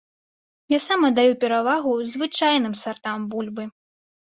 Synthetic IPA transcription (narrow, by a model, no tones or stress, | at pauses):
jasamɐd̪ajupʲɛɾavaɣuzʲvɨt͡ʂajnɨmsart̪ambulʲbɨ